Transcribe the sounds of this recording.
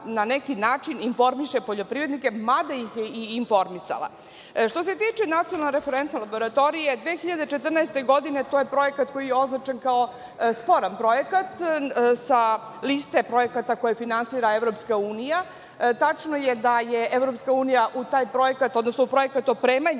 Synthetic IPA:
nanekinaːt͡ʂininfo̞ɾmiʃe̞po̞ʎo̞pɾivɾe̞d̪nike̞mad̪ajixjeiːnfo̞ɾmisa̰la̰ | ʃt̪o̞se̞t̪iːt͡ʃenat̪ionalneɾefeɾent̪nelˠabo̞ɾat̪o̞ɾijed̪ʋeːxiʎad̪et͡ʃet̪r̩naest̪e̞ɡo̞d̪ine̞t̪o̞je̞pɾo̞je̞kat̪ko̞jijeo̞znat͡ʃenkao̞ | spo̞ɾanpɾo̞jekat̪sa | list̪e̞pɾo̞je̞kat̪ako̞jefinansiːɾaevɾo̞pskauːnija | t̪at͡ʂnojed̪ajeʔevɾo̞pskauːnijaʔut̪aːjpɾo̞je̞kat̪o̞d̪nosnoupɾo̞jekat̪opɾeːmaɲ

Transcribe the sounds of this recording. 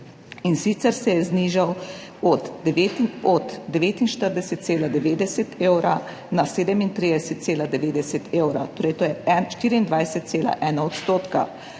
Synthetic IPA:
insit̪sɛɾsɛjɛzniʒaw | ɔd̪ʋet̪ɔd̪ːɛʋeːt̪inʃt̪əɾd̪ɛsɛt̪̚seːlad̪ɛʋeːd̪ɛsɛt̪ʰeːwɾa | naseːd̪ɛmint̪ɾid̪ɛsɛt̪̚seːlad̪ɛʋeːd̪ɛsɛt̪ʰewɾa̰t̪oːɾɛjt̪oːjɛɛnʃt̪iːɾiːnd̪ʋajsɛt̪̚seːla̰ʔɛːnaɔt̪st̪oːt̪ka̰

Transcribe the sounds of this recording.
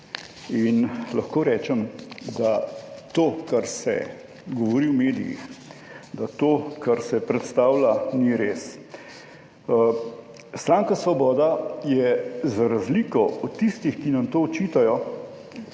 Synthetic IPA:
inlaxkoːɾɛːt͡ʃɛmd̪at̪oːkaɾsɛ̰ | ɡɔʋɔɾiwmeːd̪ḭjḭx | d̪at̪oːkaɾsɛpɾɛt̪st̪aːwlaniɾeːs | st̪ɾaːŋkasʋɔbɔːd̪ajɛzaɾazliːkɔɔt̪ːist̪ixkinɐmt̪oːt͡ʃiːt̪ajɔ

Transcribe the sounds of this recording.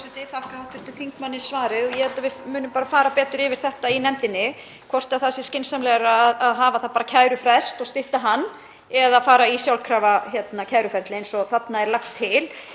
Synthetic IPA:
sɛt̪ɪθahkaawht̪ɪɾ̥t̪ʏθiŋkmanːɪsvaːɾɪðɔjɛhɛlt̪avɪmʏːnʏmpaːɾafaːɾapɛːt̪ʏɾɪvɪɾ̥θɛht̪ainɛmt̪ɪnːɪ | kʰvɔr̥t̪aθasɪ̥scɪnsamlɛɣɾaːðaðɦaːvaθaðpaːɾacʰaːjɾʏfɾɛst̪ɔɣst̪ɪht̪aɦanː | ɛðafaːɾaisjawlkʰɾaːvaçjɛt̪nacʰaːjɾʏfɛɾ̥t̪lɪejnsɔθat̪naɛɾlaxt̪ʰːɪl

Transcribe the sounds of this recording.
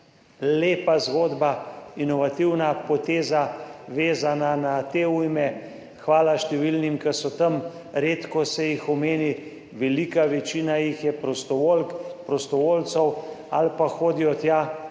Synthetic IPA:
leːpazɡoːd̪bainɔʋat̪iwnapɔt̪eːzaʋeːzananat̪eːujmɛ | xʋaːlaʃt̪ɛʋilnimkəsɔt̪əm | ɾeːt̪kɔsɛjixɔmeːni | ʋɛlikaʋɛt͡ʃiːnajixjɛpɾɔst̪ɔʋolkpɾɔst̪ɔʋoːlt̪sɔw | alpaxoːd̪iɔt̪ja

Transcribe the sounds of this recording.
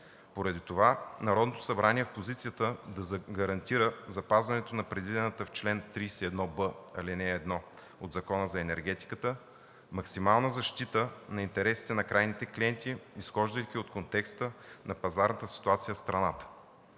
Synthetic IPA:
poɾɐd̪it̪ovanɐɾɔd̪not̪o̥sɐbɾaniɛfpozit̪sijət̪əd̪ɐzɡɐɾɐnt̪iɾəzɐpazvɐnɛt̪onɐpɾɛd̪vid̪ɛnət̪əft͡ʃlɛnt̪ɾijsɛɛd̪nɔbəɐlinɛːd̪nɔ | od̪zɐkɔnəzɐɛnɛɾɡ̟ɛt̪i̥kət̪ə | mɐksimalˠnəzɐʃt̪it̪ənɐint̪ɛɾɛsi̥t̪ɛnɐkɾajnit̪ɛkliɛnt̪iːsxɔʒd̪əik̟ʲiot̪kont̪ɛkst̪ənʔɐpɐzaɾnət̪əsi̥t̪uat̪sijəfst̪ɾɐnat̪ə̥

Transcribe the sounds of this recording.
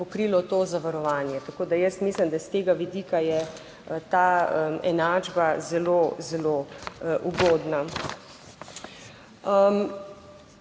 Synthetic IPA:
pɔkɾiːlɔt̪ozaʋaɾɔʋaːnjɛt̪akoːd̪ajəst̪miːslimd̪ast̪eːɡaʋid̪iːkajɛ | t̪aːəɛ̰naːd͡ʒbazɛlozɛloʔuɡoːd̪na | əm

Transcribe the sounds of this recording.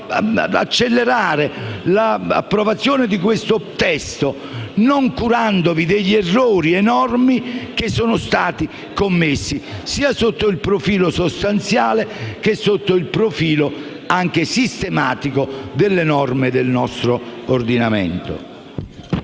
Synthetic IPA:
a̰t͡ʃːelːeɾaːɾelaa̰pːɾovat̪sːjoːnɪd̪ikwest̪ot̪ɛst̪o | noŋkuɾand̪ovid̪eʎːɛrːoːɾiɛnɔrmik̟esːoːnost̪aːt̪i | komːesːisiːasot̪ːoilpɾofiːlosost̪ant̪sjaːlekesːot̪ːoilpɾofiːlo | aŋk̟esist̪emaːt̪ikod̪elːenɔrmed̪elnɔst̪ɾoːrd̪inamḛnt̪o̰

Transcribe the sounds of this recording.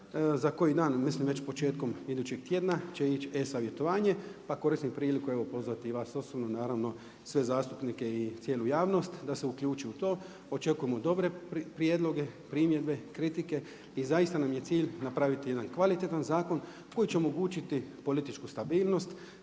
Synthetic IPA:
zako̞jid̪aːnmislimʋe̞t͡ʃpo̞t͡ʃe̞ːt̪̚ko̞mid̪ut͡ɕe̞ɡ̚t̪je̞ːd̪nat͡ʃeit͡ʃesaʋje̞t̪o̞ʋaːɲe̞pako̞ɾisnipɾiːlikue̞ʋo̞po̞zʋat̪iʋaːso̞sobnonaːɾaʋno̞ | sʋe̞zaːst̪u̥pnike̞it̪sjeːlujaːʋno̞st̪d̪ase̞ukʎuːt͡ʃiut̪o̞ː | ot͡ʃe̞kuje̞mo̞d̪o̞bɾe̞pɾjeːd̪lˠo̞ɡe̞pɾimje̞d̪be̞kɾit̪ike̞ | izaist̪anamje̞t̪siːʎnapɾaʋit̪ijed̪ankʋalit̪et̪anzaːko̞n | ko̞jit͡ɕe̞o̞mo̞ɡuːt͡ʃit̪ipo̞lit̪it͡ʃkust̪abiːlˠno̞st̪

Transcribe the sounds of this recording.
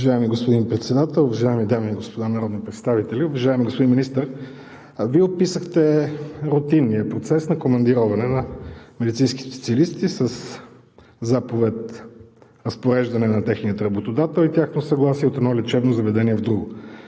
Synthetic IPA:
vɐʒaɛmiɡospod̪inpɾɛt̪sɛd̪at̪ɛlˠʊvɐʒaɛmid̪amiɡospod̪anɐɾɔd̪nipɾɛt̪st̪avit̪ɛliʊvɐʒaɛmiɡospod̪inminist̪əɾ | viɛopisəxt̪ɛɾot̪inːijəpɾot̪sɛsnɐkomɐnd̪iɾɔvɐnɛnɐmɛd̪it̪sinski̥sɛ̥t̪siɐlist̪isəs | zapovɛt̪ | ɾɐspoɾɛʒd̪ɐnɛnɐt̪ɛxniət̪ɾɐbot̪od̪at̪ɛlˠit̪ʲjaxnosɐɡlˠasiɛot̪ɛd̪nɔlʲɛt͡ʃɛbnozɐvɛd̪ɛniɛvd̪ɾuɡo

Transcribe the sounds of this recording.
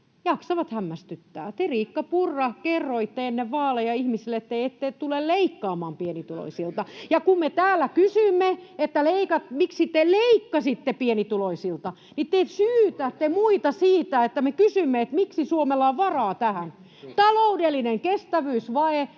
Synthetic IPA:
jɑksɑʋɑt̪hæmːæst̪yt̪ːæ̰ːt̪eriːkːɑpurːɑkerːoit̪ːeenːeʋʋɑːlːejɑihmisilːet̪ːeiet̪ːett̪ulelleikːɑːmɑːmpienit̪ulo̰isilt̪ɑjɑkummet̪æːlːækysymːeet̪ːæleikɑt̪miksit̪ːeleikːɑsit̪ːepienit̪uloisilt̪ɑ | nit̪ːesyːt̪æt̪ːemuit̪ɑsiːt̪æet̪ːæmekysymːeet̪miksisuomelːɑːʋʋɑrɑːt̪æhæn | t̪ɑloudelːineŋkest̪æʋyːsʋɑe

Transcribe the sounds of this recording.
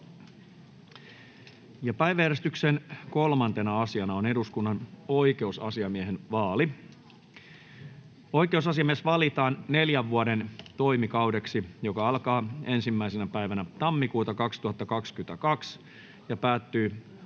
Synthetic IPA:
jɑpæjʋæjæɾest̪yksenko̞lmɑnt̪e̞nɑɑsiɑnɑone̞duskunːɑnoike̞usɑ̰siɑmieɦenʋɑːli | o̞ikeusɑsiɑmiesʋɑlit̪ɑːnːeljæʋːuode̞nt̪o̞imikɑwde̞ksijo̞kɑɑlkɑːe̞nsimːæisenæpæiʋænæt̪ɑmːikuːt̪ɑkɑkst̪uhɑt̪ːɑkɑkskyt̪ækɑks | jɑpæːt̪ːyː

